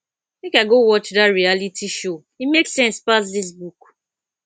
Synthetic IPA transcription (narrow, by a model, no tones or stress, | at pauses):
mẽkaɪɡowɔt͡ʃdatɹialitʰiʃo | imeksɛ̃nspas̬dis̬buk